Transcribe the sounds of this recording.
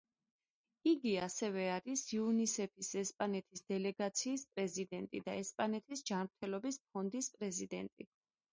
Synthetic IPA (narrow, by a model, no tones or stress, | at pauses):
iɡiasɛvɛaɾisiunisɛpʰisɛspʼanɛt̪ʰisd̪̥ɛlɛɡat̪sʰiːspʼɾɛzid̪ɛnt̪ʼḭd̪aɛspʼanɛt̪ʰisd͡ʒamɾt̪ʰɛlɔbisp̚ʰɔnd̪ispʼɾɛzid̪ɛnt̪ʼḭ